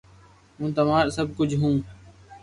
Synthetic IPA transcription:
ɦũːt̪əʋãːsəb̚ʱkʊd͡ʒʱɦũː

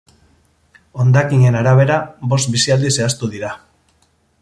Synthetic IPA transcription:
o̞nd̪akiɲe̞naɾaβ̞e̞ɾabo̞st̪̚bisiald̪ise̞ast̪uðiɾa

